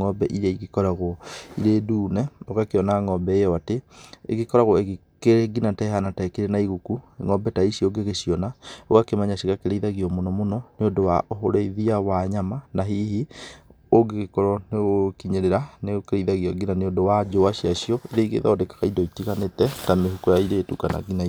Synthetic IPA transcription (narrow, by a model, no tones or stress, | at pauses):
ŋɔbɛʔiɾaiɣekɔɾaɣoiɾeduːnɛoɣakeɔnaŋɔbɛejɔatḛːɣekɔɾaɣoeɣ | keɾeɡinatɛhanatakiɾɛnaiɣukuŋɔbɛtaiɕjoɡeɣeɕiɔnaoɣakemaɲaɕiɣakeɾeiðaɣiɔmonɔmonɔneodowaʔoɦoɾeiðiawaɲamanaɦihi | oɡeɣekɔɾɔneɣokiɲeɾeɾaneokeɾeiðaɣiɔɡinaneodowad͡ʒowaɕiaɕiɔiɾeiɣḛða̰odekḁɣaidɔitiɣanetɛtameɦukojaiɾetukana̰ɡinai